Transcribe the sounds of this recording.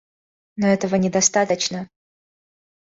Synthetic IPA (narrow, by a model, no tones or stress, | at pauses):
noɛt̪əvənʲɪd̪ɐst̪at̪ət͡ɕnə